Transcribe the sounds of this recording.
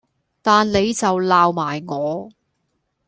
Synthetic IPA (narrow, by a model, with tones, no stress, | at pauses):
t̪aː˨nle˨˧jt͡sɐ˨wlaː˨wmaː˨˩jŋɔː˨˧